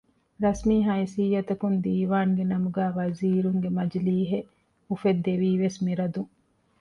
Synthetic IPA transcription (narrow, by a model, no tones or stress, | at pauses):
ɾɐsmiːɦɐisijːɐt̪ɐkund̪iːʋaːŋɡenɐmuɡæːʋɐziːɾuŋɡemɐd͡ʒliːɦe | ufed̪ːeʋiːʋesmiɾɐd̪uŋ